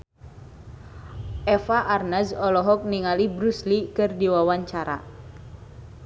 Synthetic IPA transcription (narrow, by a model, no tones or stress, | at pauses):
ʔɛfaʔarnazɔlɔɦɔk̚niŋalibɾuslikɨrdiwawaɲt͡ʃaɾa̰